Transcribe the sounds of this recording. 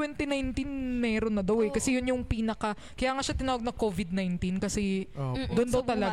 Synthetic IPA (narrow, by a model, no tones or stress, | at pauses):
wɛnt̪ɛnajnt̪inmɛːɾonːɐd̪ɐwɛkɐsɛjʊnjʊŋpiːnɐkɐ | kɐjaːŋaːʃat̪ɪnaːwɐɡ̚nɐŋkovɪd̪̚najnt̪inkɐsɛd̪ʊnd̪ɐwt̪ɐlɐ